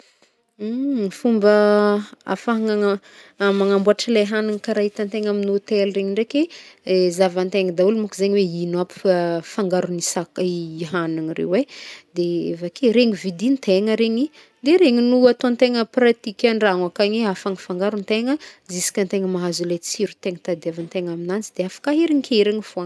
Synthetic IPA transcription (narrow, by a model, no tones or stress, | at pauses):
ifumbə | a̰faaŋaŋ | maŋambuaʈ͡ʂəlaɦanaŋkaɾaɦit̪ant̪eŋaminot̪elreɲiɳɖ͡ʐekʲezavant̪eŋəd̪aulumukizeɲiweinwapi̥faŋɡaɾunisakiɦanaŋirḛwwed̪eḛvakeɾeŋivid̪int̪ʰeŋəɾeŋi | d̪eɾeŋinuat̪ont̪eŋəprat̪ikʲaɳɖ͡ʐaŋakaɲeafaŋifaŋɡaɾunt̪eŋəzisi̥kʲant̪eŋəmaɦazulet͡siɾut̪eŋət̪ad̪iavant̪eŋaminant͡sid̪eafḁkaɦeɾiŋkʰʲeiɾeŋifoaŋ